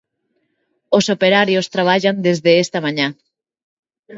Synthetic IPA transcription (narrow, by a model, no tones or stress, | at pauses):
osopeɾaɾjost̪ɾaβ̞aʎand̪ezðeest̪amaɲa